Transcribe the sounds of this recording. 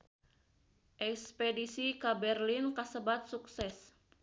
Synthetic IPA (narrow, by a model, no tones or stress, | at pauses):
ʔɛkspedisikabɛrlinkasəbat̪̚suksɛs